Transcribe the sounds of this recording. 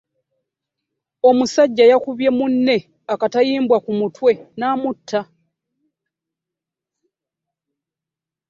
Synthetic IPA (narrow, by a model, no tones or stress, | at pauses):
o̞musaɟːajakuβje̞munːe̞ | akatajiːmbwakumutwe̞naːmutʰːa